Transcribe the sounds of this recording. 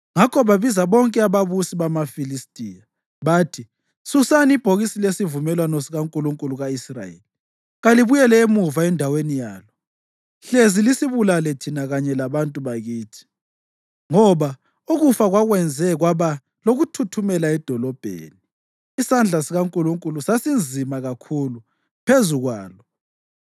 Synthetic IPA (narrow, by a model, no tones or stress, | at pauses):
ŋakʰɔβaβizaβɔŋkʼɛaβaβusiβamafilistʼija | βaːtʰi | susaniib̥ʱoɣisilesivumɛlwanɔsiɣaŋkʼuluŋkʼuluɣaisra̰jḛlii | ɣaliβujɛlɛemuvaɛndʱawenija̰ːlɔ | ɬezilisiβulalɛtʰinaɣaɲɛlaβantʼuβaɣiːtʰi̥ | ŋɔβa | uɣufaɣwaɣwɛnd͡zʱɛɣwaβa | loɣutʰutʰumɛlaɛd̥ʱɔlɔb̥ʱḛːniː | sand͡ɮʱasiɣaŋkʼuluŋkʼulusasind͡zʱimaɣakʰulu | pʰezuɣwaːlɔ